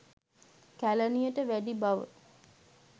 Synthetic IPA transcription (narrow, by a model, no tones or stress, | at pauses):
kælənijəʈəʋæɖibaʋə̰